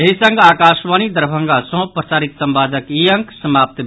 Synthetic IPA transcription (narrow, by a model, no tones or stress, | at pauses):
eɦisəŋɡakaʃʋanid̪əɾbʱəŋɡasɔ̃pɾət͡ʃaːɾit̪səmbad̪əkijəŋksəmap̚t̪